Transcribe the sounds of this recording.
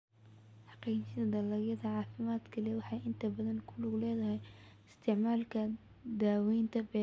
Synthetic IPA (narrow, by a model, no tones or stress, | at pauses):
ħɑqiːt͡ʃɪɐd̪ɐlɐɣjɐðɐʕɑːfɪmaːd̪kʰɐliwɑħɑjɪnt̪ʰɐbɐðɐnkʰʊlʊɡʊlɛːðɐɦɛjɪst̪ʰɪʕmaːlkʰɐ | d̪aːwɛjnt̪ʰɐbɛ